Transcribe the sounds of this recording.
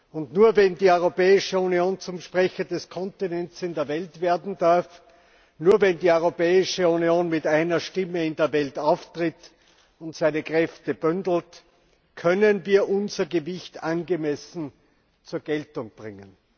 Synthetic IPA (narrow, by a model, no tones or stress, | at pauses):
ʊntnuːɐvɛndiːœʏʁopɛːɪʃəunioːnt͡sʊmʃpʁɛçɐdɛskʰɔntinɛnt͡sɪndeːɐvɛltv̥eːɐdn̩daɐf | nuːɐvɛndiːœʏʁopɛːɪʃəunioːnmɪtaɪnɐʃtɪməɪ̃ndeːɐvɛltaʊftʁ̥ɪt | ʊntsaɪnəkʁ̥ɛftəb̥yndl̩t | kʰœnənviːɐʔʊnzɐɡəvɪçtanɡəmɛsn̩ | t͡suːɐɡ̥ɛltʊ̃ŋb̥ʁɪŋən